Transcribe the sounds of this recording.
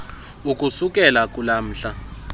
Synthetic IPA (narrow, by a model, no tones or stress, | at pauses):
ukʼusuk̬ʼɛlak̬ʼulam̩ːɬa